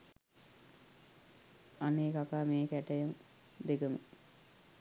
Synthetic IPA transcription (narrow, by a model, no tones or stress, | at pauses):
aneːkakaːmeːkæʈɐjɐn | d̪eɡəmə̰